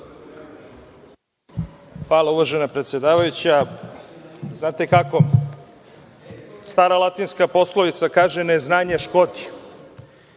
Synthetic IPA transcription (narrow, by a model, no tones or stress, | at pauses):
paːlauʋaʒenapɾet̪sjed̪aːʋajut͡ɕa | znaːt̪e̞kako̞ | st̪aːɾalˠat̪inskapo̞sloʋit̪sakaːʒeneznaːɲaʃkot̪i̥